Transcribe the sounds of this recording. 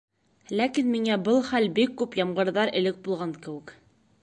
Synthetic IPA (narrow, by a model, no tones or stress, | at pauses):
lækinmiŋæbɤlˠχælbikːʉpjɑmɢɤ̆ɾðɑɾɘ̆lɘk̚bulˠʁɑŋkɘ̆wɘ̆k